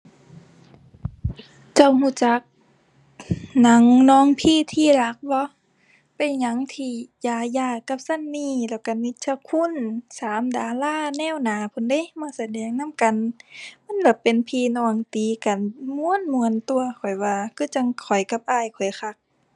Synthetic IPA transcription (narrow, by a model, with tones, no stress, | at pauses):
t͡ɕa˧˩whuː˧˨t͡ɕa˧˦k̚ | na˨˧˦ŋnɔː˧˥˨ŋpʰiː˧˥˨t̪ʰiː˧˨la˧˦k̚bɔ˧˦ | pa˨ɲa˧˦ŋt̪ʰiː˧˩jaː˧˩jaː˧˩ka˧˦p̚sa˧˥˨nmiː˧˨lɛː˧˩wka˧˩mi˧˦t̪̚t͡ɕʰa˧kʰu˧˥˨nsaː˨˦mdaː˨˦laː˧˥˨nɛː˧˥˨wnaː˨˦pʰo˧˨nda˧˦˨jmaː˧˥˨sa˧˦dɛː˨˦ŋna˧˥˨mka˨nma˧˥˨nla˧˩pe˨npʰiː˧˨nɔː˧˩ŋt̪iː˨˦ka˨nmu˧˨ə˨nmu˧˨ənt̪u˧ɐkʰɔ˨˩jwaː˧˩kʰɯː˧˥˨t͡ɕa˧ŋkʰɔ˨˩jka˧˦p̚ʔaː˧˨jkʰɔ˨˩jxʰa˧˦k̚